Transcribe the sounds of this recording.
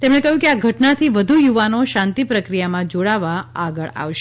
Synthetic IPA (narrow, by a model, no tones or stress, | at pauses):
t̪emɽ̃ekəɦjũkeaɡʱəʈnat̪ʰiʋəd̪ʱujuʋanoʃãnt̪ipɾəkɾijamãd͡ʒoɽaʋaaɡəɭa̰ʋʃ